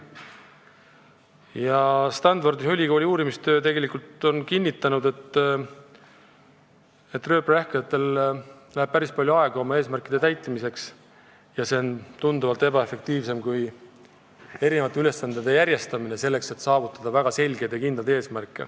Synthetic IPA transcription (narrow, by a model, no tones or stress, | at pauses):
jɑst̪ɑnford̪iɦolʲːiɡ̥oːlʲiuːɾimist̪ø̞ːt̪e̞ɡe̞likult̪o̞nkinʲːit̪ːˑɑnud̪e̞t̪ːˑ | et̪ːˑrø̞ːpræhkɑjɑt̪ːe̞l | læheb̥̚pæɾispɑlʲjoɑe̞ɡ̥ɑo̞mɑe̞ːsmærkid̪̥e̞t̪æjt̪ˑːimise̞ks | jɑse̞ont̪und̪uvɑlt̪e̞b̥ɑe̞fe̞k̚t̪iːvse̞mkuj | e̞ɾine̞vɑt̪ːˑeyle̞sːɑnd̪ed̪e̞jæɾje̞st̪ɑmine̞se̞lːe̞kse̞t̪ːsɑːvut̪ːˑɑd̪̥ɑvæɡ̥ɑse̞lʲɡe̞jd̪̥jɑkind̪ɑlt̪e̞ːsmærkːˑḛ